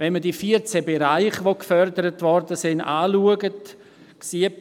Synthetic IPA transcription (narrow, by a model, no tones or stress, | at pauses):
vɛnmədiːfiːəɾt͡sɛbeɾaɪχvokfœɾdəɾətvɔɾdəsɪndaːluəɡət | ksiə